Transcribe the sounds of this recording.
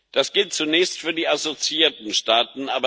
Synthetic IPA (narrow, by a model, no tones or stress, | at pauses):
d̥asɡ̥ɪlt̚t͡sunɛːçstfyːɐdiːʔazot͡siiːɐtn̩ʃtaːtn̩ʔaːbɐ